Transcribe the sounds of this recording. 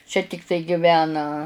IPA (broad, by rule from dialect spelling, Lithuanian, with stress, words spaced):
t͡ʃʲɛ tʲɪkˈtɐɪ ɡʲɪˈʋʲæːnɐ